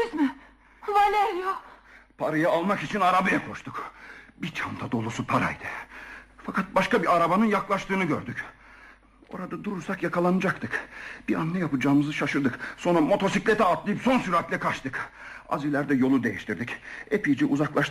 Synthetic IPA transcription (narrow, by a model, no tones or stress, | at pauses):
izmɪ | valʲejopʰaɾajaːlˠmakit͡ʃʰinaɾabajakʰo̞ʃt̪ʰukbit͡ʃʰand̪ad̪o̞lˠusupʰaɾa̰jd̪ɯfakʰat̪̚baʃkabiaɾabanɯnjaklˠaʃt̪ɯːnɯɟøɾd̪yc | o̞̰ɾad̪ad̪uɾuɾsakjakʰalˠanɯd͡ʒakt̪ʰɯkb̥iɾanːɛjapɯd͡ʒaːmɯzɯʃaʃɯɾd̪ɯkso̞nɾamo̞t̪ʰo̞siclʲet̪ʰɛːt̪lˠɯjɯpso̞nsyɾat̪lʲɛkʰat͡ʃt̪ɯka̰zilʲæɾd̪ɛjo̞lˠud̪e̞jiʃt̪ʰiɾd̪icepijd͡ʒiʔuzaklˠaʃt̪